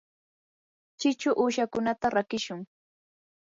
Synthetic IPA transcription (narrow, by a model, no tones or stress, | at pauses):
t͡ʃɪt͡ʃʊʔuːʃakʊnat̪aɾakɪʃʊŋ